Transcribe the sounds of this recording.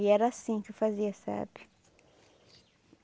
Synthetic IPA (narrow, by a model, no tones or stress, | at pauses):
iɛɾɐsĩkɪʊfaziɐsa̰bɪ̥